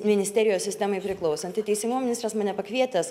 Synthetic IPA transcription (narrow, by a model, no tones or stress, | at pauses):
mʲɪnʲɪsʲtʲɛːɾʲɪjoːsʲsʲɪsʲt̪ʲæːmɐɪpʲɾʲɪklˠɔʊsɐnʲt̪ʲɪt̪ʲɛɪsʲɪŋɡumomʲɪnʲɪst̪ɾɐsmɐːnʲɛpɐkʋʲiɛt̪ɐs